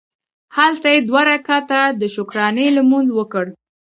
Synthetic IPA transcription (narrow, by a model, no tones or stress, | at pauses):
halt̪ajed̪waɾakɑt̪ad̪əʃʊkɾɑnəlamund̪wəkəɽ